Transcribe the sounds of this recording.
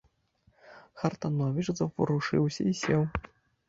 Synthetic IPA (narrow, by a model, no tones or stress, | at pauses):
xɐrt̪anɔvʲit͡ʂzɐpɾuʂɨwsʲɐ̰isʲɛw